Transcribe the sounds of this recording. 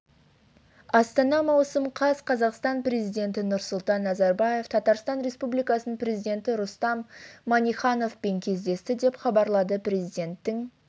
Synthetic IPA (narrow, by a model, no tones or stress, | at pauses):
ɑst̪ɑnɑmɑwsəmqʰɑzqʰɑzɑqst̪ɑnpɾe̞zijd̪ʲe̞nt̪ɪnʊɾsʊlˠt̪ɑnːɑzɑɾbɑje̞ft̪ʰɑt̪ɑɾst̪ɑnɾe̞spublijkɑsənəɴpɾe̞zijd̪e̞nt̪ɪɾʊst̪ɑmːɑnʲiχɑno̞fpe̞ŋkʲʰe̞zd̪e̞st̪ɪd̪e̞pχɑbɑɾlˠɑd̪əpɾe̞zijd̪e̞nt̪ːɪŋ